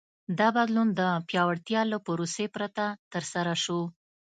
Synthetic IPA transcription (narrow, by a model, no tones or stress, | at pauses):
d̪ɑbad̪lund̪əpjɑwaɽt̪jɑləpʊɾosepɾat̪at̪əɾsaɾaʃo